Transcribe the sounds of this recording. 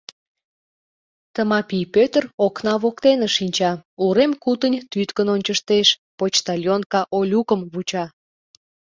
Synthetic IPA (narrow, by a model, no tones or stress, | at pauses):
t̪əmɑpijpøt̪əroknɑβokt̪enə̆ʃinʲt͡ɕɑuɾemkut̪ənʲt̪yt̪kənonʲt͡ɕəʃt̪eʃpot͡ɕt̪ɑlʲjonkɑʔolʲukəmβut͡ɕɑ